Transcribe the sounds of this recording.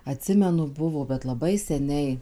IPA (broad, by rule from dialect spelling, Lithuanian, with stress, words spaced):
ɐˈtʲsʲɪmʲɛnʊ ˈbʊʋoː bʲɛt lˠɐˈbɐɪ sʲɛˈnʲɛɪ